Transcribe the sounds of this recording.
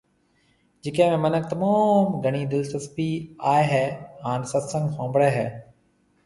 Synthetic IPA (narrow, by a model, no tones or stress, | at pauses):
d͡ʒɪkẽːmẽːmənək̚t̪əmaːmɡʱəɳ̃iːd̪ɪlt̪əspiːaːeɦɛːɦaːnsət̪sə̃ŋɡxõːmbɽeːɦɛː